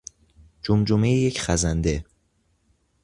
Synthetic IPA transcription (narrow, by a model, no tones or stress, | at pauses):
d͡ʒomd͡ʒomejejecʰχæzænd̪e